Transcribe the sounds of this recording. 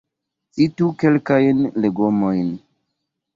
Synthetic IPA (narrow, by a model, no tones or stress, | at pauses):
itukelkajnleɡomo̞jn